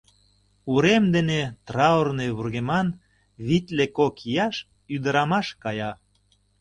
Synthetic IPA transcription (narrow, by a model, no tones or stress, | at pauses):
uɾemd̪enet̪rɑorneβurɣemɑn | βit̪ʲlekokijɑʃ | yd̪əɾɑmɑʃkɑjɑ